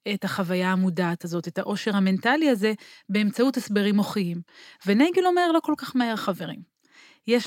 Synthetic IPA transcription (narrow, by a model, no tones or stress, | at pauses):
etaχavajaːmudaːtazo̞te̞thaʔo̞ʃe̞ʁame̞ntaliaze̞be̞ːmt͡sautesbe̞ʁimo̞χiimveneɡelomeʁlo̞ko̞lkaχmaeʁaχave̞ʁ̞ḭm | jeʃ